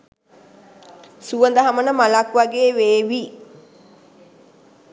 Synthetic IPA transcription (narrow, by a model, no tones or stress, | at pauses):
suʋənd̪əɦamənəmalakʋaɡeːʋeːʋi